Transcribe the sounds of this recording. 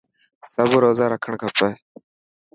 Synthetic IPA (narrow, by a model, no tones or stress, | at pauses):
səbɾoːzaːɾəkʰəɳkʰapə